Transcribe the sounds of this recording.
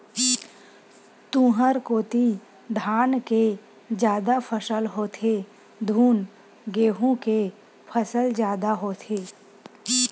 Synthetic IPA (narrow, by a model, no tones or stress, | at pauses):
t̪ũːɦəɾkoːt̪i | d̪ʱaːnke | d͡ʒjaːd̪apʰəsəlɦoːt̪ʰe | d̪ʱuːn | ɡeːɦõke | pʰəsəld͡ʒjaːd̪aɦoːt̪ʰeː